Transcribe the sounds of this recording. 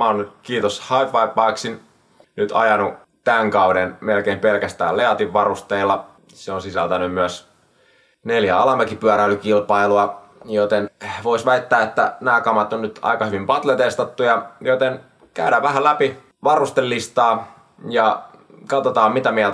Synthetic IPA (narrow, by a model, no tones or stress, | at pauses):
mæonkiːt̪oshɑipːɑipːˑɑiksin | nyt̪ʰɑ̰jɑnu | t̪æŋkɑudenmelkeimpelkæst̪æ̰ːleɑt̪iʋʋɑrust̪eilːɑ | seonsisælt̪ænymmyæs | neljæɑlɑmekipyæɾæylykilpɑiluɑ | jot̪enʋoisʋæit̪ːæːet̪ːænæːkɑmɑt̪onnyt̪ʔɑ̰ikɑhyʋimpɑt̪let̪est̪ɑt̪ːujɑjot̪en | kæ̰ydæːʋʋæɦælæpi | ʋɑrust̪elːist̪ɑː | jɑkɑt̪ot̪ɑːmmit̪æmiæ